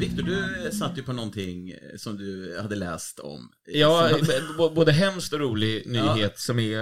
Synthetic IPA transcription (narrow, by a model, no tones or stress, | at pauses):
vɪk̚t̪ʊɖɵsat̪ːjɵpʰɔnɔnt̪ʰɪŋsɔmd̪ɵhad̪ːəlɛ̰ːst̪ʰɔ̰m | jɑː | boːd̪əɦɛmst̪ɔɾuːlɪnyːheːt̪sɔmæ